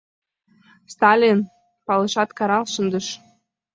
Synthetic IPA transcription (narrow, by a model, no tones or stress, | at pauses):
st̪ɑlʲin | pɑlə̆ʃɑt̪kɑɾɑlˠʃə̆nd̪əʃ